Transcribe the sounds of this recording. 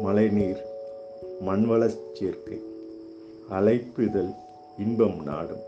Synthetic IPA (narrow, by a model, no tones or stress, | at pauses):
mɐlɐɪniːɾ | mɐnʋɐɭɐst͡ʃːeːɾkɐɪ | ɐlɐɪpːɯðɐl | ɪnbɐmna̰ːɽɯm